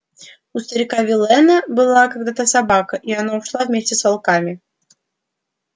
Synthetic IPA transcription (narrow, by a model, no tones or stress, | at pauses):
ust̪əɾʲɪkavʲɪlʲˠɛnɐbɨlˠakaɡ̚d̪at̪əsabakəʔianauʂlˠavmʲesʲtʲɪsvalˠkamʲɪ